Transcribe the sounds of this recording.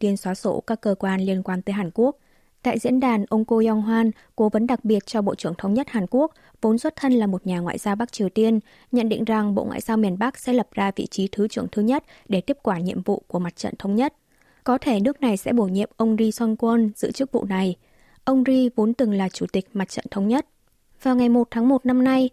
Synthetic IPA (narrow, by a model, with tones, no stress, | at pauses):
t̪i˧ənswaː˨˦so̰˧˩kaː˦˥kːəː˧kwaː˧nli˧ənkwaː˧nt̪əː˨˦jɦaː˨˩nku˦˥ək̚ | t̪a̰ː˧˨jzḭ˧˥ənɗaː˨˩nʔə˧wŋ͡mko˧ja˧ŋɦwaː˧n | ko˨˦və˨˦nɗa˨˩k̚ɓi˨˩ət̚t͡ɕɔ˧ɓo̰˧˨t͡ɕɨ˧˩əŋt̪ʰə˧wŋ͡mɲə˦˥t̚haː˨˩nku˦˥ək̚ | vo˨˦nswə˦˥t̚t̪ʰə˧nlaː˨˩mo˨˩t̚ɲaː˨˩ŋwa̰ː˧˨jzaː˧wɓa˦˥k̚t͡ɕi˨˩əwt̪i˧ən | ɲə̰˧˨nɗḭ˧˨ŋ̟za˨˩ŋɓo̰˧˨ŋwa̰ː˧˨jzaː˧wmi˨˩ənɓa˦˥k̚sɛ̰˧˥lə˨˩p̚zaː˧vḭ˧˨t͡ɕi˨˦t̪ʰɨ˨˦t͡ɕɨ˧˩əŋt̪ʰɨ˨˦ɲə˦˥t̚ɗe˧˩t̪i˦˥əp̚kwaː˧˩ɲḭ˧˨əmvṵ˧˨ku˧˩əma˨˩t̚t͡ɕə̰˧˨nt̪ʰə˧wŋ͡mɲə˦˥t̚ | kɔ˨˦t̪ʰe˧˩nɨ˦˥ək̚na˨˩jsɛ̰˧˥ɓo˧˩jɲḭ˧˨əmʔə˧wŋ͡mzi˧swa˧nkwə˧nzɨ̰˧˥ət͡ɕɨ˦˥ək̚vṵ˧˨na˨˩j | ʔə˧wŋ͡mzi˧vo˨˦nt̪ɨ˨˩ŋlaː˨˩t͡ɕu˧˩t̪ï˨˩k̟̚ma˨˩t̚t͡ɕə̰˧˨nt̪ʰə˨˧wŋ͡mɲə˦˥t̚ | vaː˨˩wŋa˨˩jmo˨˩t̚t̪ʰaː˨˦ŋmo˨˩t̚na˧mna˧j